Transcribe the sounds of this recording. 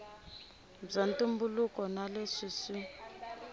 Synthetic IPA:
b͡ʐantumbulukɔnaleʂiʂi

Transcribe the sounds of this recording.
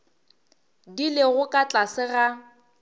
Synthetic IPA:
dilɪɣʊkʼat͡ɬʼasɪɣa

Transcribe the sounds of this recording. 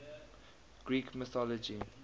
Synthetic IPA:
ɡ̥ɹiːkʰmɪθɔlɔd͡ʒi

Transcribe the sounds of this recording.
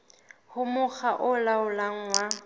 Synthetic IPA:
hʊmʊk͡xaʔʊlaʊlaŋ̩wa

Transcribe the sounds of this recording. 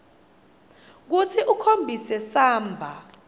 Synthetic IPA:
k̬ut͡sʰiʔukʰombʱisɛsaːmbʱa

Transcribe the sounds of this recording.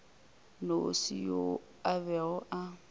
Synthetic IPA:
nosḭjo | abɛɔʔa

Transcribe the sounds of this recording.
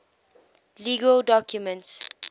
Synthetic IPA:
liɡəldɔkʰjumə̃nts

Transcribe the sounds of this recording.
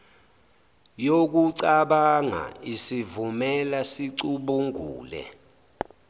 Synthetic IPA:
jok̬uǀaɓaŋa̰isivumɛlasiǀuɓuŋṵːlɛ̰

